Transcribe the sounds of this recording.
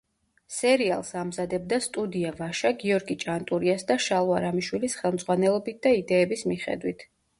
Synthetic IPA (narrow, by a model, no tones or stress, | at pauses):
sɛɾia̰lˠsamzad̪ɛb̚d̪ast̪ʼud̪iavaʃaɡiɔɾɡit͡ʃʼant̪ʼuɾiasd̪aʃalˠuaɾamiʃwilisχɛlˠmd̪zʁwanɛlˠɔbit̪̚d̪̥aid̪ɛːbismiχɛ̰d̪wit̪ʰ